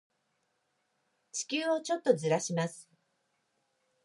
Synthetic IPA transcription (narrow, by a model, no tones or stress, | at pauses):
t͡ɕi̥kʲɨːot͡ɕo̞t̪ːo̞zɨɾaɕimasɨ̥